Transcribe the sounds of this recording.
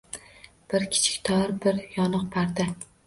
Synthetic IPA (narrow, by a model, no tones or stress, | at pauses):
b̥ɪɾkʲʰɪ̥t͡ʃʰɪ̥k̚ʲt̪ʰɒɾbɪɾjɒnɨq̚pʰaɾd̪a